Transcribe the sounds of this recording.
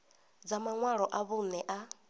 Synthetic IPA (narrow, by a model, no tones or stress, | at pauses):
d͡zamaŋwaɺɔʔaβunɛʔa